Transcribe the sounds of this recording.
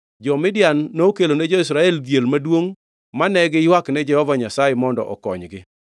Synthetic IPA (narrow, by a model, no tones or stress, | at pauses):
d͡ʒɔmɪdjanːokeloned͡ʒoɪs̬ɾaɛldjelmadwoŋ | manɛɡɪjwaknɛd͡ʒɛhɔvaɲasajemɔndɔ̰ʔɔ̰kɔɲɡɪ